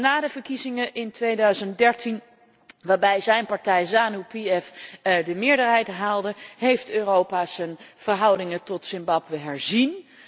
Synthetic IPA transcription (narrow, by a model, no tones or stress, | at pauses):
naːdəvəɹkizɪŋəʔɪntʋejdœɥzəntdɛɹtin | ʋaːɹbɛjzɛjnpɑɹtɛjzaːnupiɛfdəmɪːɹdəɹɦɛjtɦaːlˠdəɦejftøːrowpaːz̥ənv̥əɹɦɑwdɪŋətɔtsɪmbɑbʋəɦɛɹzin